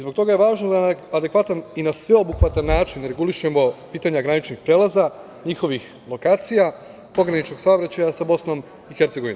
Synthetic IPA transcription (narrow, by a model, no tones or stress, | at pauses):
izbokt̪o̞ɡaje̞ʋaːʒnod̪anad̪e̞kʋat̪aninasʋe̞o̞buxʋat̪anːaːt͡ʃinɾe̞ɡuliʃemo̞piːt̪aɲaɡɾanit͡ʃnixpɾeːlˠaza | ɲixo̞ʋix | lˠo̞kaːt̪sija | po̞ɡɾanit͡ʃno̞ɡsaobɾat͡ɕajasabo̞sno̞m | ixeɾt̪se̞ɡo̞ʋin